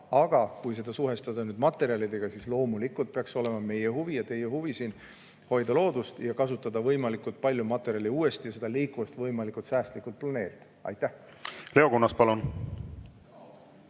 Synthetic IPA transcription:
ɑɡ̥ɑkujse̞d̪̥ɑsuɦe̞st̪ɑd̪̥ɑnyːd̪̥mɑt̪ːˑe̞ɾiɑlid̪e̞ɡ̥ɑsislo̞ːmulikːˑult̪̚pe̞ɑkso̞le̞mɑme̞jehuvijɑt̪e̞jehuvisiːn | ho̞jd̪̥ɑlo̞ːd̪ust̪jɑkɑsut̪ːˑɑd̪ɑvɤjmɑlikːˑult̪̚pɑlʲjumɑt̪ːˑe̞ɾiɑlʲiuːe̞st̪ijɑse̞d̪̥ɑliːkːˑuɑst̪vɤjmɑlikˑult̪sæːst̪likˑult̪̚plɑne̞ːɾid̪̥ɑ̥ɑ̰jt̪ːˑæh | le̞o̞kunːɑspɑlun

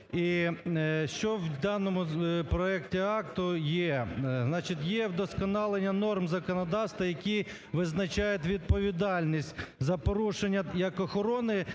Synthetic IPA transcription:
i | ʃt͡ʃɔwd̪ɑnɔmʊpɾɔɛktʲiɑkt̪ʊjɛznɑt͡ʃɪt̪ʲjɛwd̪ɔskɔnɑlˠenʲːɐnɔrmzɐkɔnɔd̪ɑwst̪ʋɐjɐkʲi | ʋɪznɐt͡ʃɑjʊt̪ʲʋʲid̪̚pɔʋʲid̪ɑlʲnʲisʲtʲzɐpɔɾuʃenʲːɐjɐkɔxɔɾɔnɪ

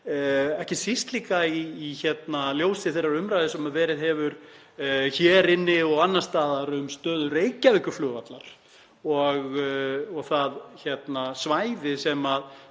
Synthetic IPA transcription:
ɛhcɪsist̪liːkaiːçɛt̪naljoːwsɪθejrːaɾʏmɾajðɪsɛmavɛːɾɪðɦɛvʏɾ | çɛːɾɪnːɪɔɣanːast̪aːðaɾʏmst̪œːðʏɾejcavɪkʏflʏːvat̪la̰ɾ̥ | ɔɣɔɣθaðçɛt̪nasvaːjðɪsɛmað

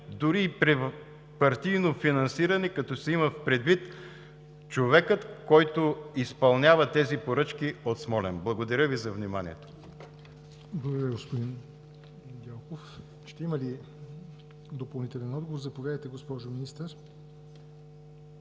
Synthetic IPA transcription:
d̪ʊɾiːpɾɛ | pɐɾt̪ijnofinɐnsiɾɐnɛkɐt̪ɔsɛiməfpɾɛd̪vit̪ | t͡ʃovɛkət̪kɔjt̪oispɐlˠnʲavɐt̪ɛzipoɾɤt͡ʃkiot̪smɔlɛnblˠɐɡod̪ɐɾʲəvizɐvnimanḭɛt̪o̥ | blˠɐɡd̪ɾɾjəɡospod̪in | ɡ̪ʲɛlˠkof | ʃt̪ɛimɐli | d̪opɐlˠnit̪ɛlɛnɔd̪ɡovoɾzɐpovʲjad̪əjt̪ɛɡospɔʒominist̪əɾ

